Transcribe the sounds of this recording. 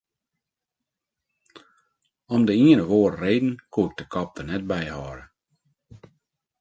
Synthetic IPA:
ɔmdəiənəʋoːɾəreːdn̩kʰuɪk̚d̥əkʰɔp̚dənɛt̚bɛjhɔːɾə

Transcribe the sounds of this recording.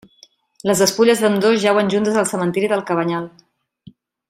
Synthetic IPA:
ləzəspuʎəzðəmd̪ozʒawənʲʒunt̪əzəlˠsəmənt̪iɾiðəlˠkəβəɲalˠ

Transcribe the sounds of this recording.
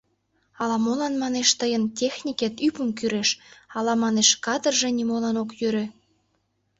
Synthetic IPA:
ɑlɑmolɑnmɑneʃt̪əjəntʲexnʲiket̪ypəmkyɾeʃɑlɑmɑneʃkɑd̪ərʒĕnʲimolɑnokjøɾĕ

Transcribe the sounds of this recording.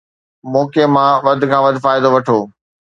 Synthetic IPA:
mɔːkemãʋɐd̪̆ʱkʰãːʋɐd̪ʱfaːɪd̪oʋɐʈʰoː

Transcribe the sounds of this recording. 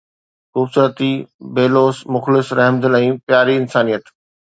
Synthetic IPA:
xuːbsuɾət̪ibeːloːsmʊxlɪsɾɛɦmd̪əlɛ̃ːpjaːɾiɪnsaːnijət̪

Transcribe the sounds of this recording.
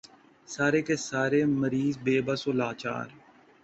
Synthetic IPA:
saːɾeːkeːsaːɾeːməɾiːzbeːbəsoːlaːt͡ʃa̰ːɾ

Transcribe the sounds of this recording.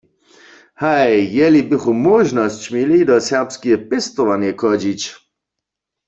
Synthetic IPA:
hajːɛlibɪχumɔʒnɔst͡ɕmjɛlidɔsɛʁpskijɛpɛst̪ɔʋanjɛkɔd͡ʑit͡ɕ

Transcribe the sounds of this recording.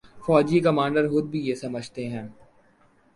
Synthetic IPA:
fɔːd͡ʒikɐmãːɳɖəɾxʊd̪̚bʱijesɐməd͡ʒʱt̪eɦɛ̃ː

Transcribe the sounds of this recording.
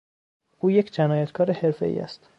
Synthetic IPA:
ʔuːjecʰd͡ʒænɒːjæt̪kʰɒːɾehe̞ɾfḛḭːæ̰st̪

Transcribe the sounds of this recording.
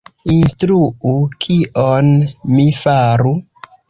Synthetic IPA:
instɾuukʰiʔonmifaɾu

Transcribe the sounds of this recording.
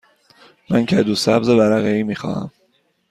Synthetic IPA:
mæncʰæd̪usæbzevæɾæɣeiːmiːxɒ̰ːhæ̰m

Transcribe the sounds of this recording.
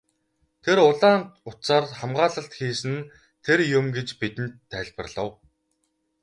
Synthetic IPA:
t̪ʰeɾʊɮaːnt̪ʊt̪saːrχamɢaːɮə̆ɬt̪xiːsɘ̆n | t̪ʰerjʊmɡet͡ɕpit̪ɘ̆nt̪ʰːæːɮʲpə̆rɮə̆w

